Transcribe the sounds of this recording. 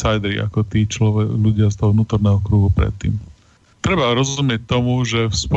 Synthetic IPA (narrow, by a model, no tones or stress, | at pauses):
sajd̪ɛɾḭʔa̰kɔt̪iːt͡ʃlɔɛʎuɟɪast̪ɔɦɔʋnuːt̪ɔɾnɛːɦɔkɾuːɦupɾɛ̰t̪ːḭːm | t̪ɾɛbaɾɔzzumɪɛc̚t̪ɔmuʒɛfspɔ